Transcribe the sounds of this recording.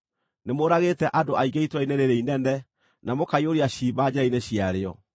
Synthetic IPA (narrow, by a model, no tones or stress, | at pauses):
nemoɾaɣetɛʔadoaiɣeitwaineɾeɾeinɛndɛ | namokaioɾiaɕiːbad͡ʑɛaineɕiaɾeɔ̰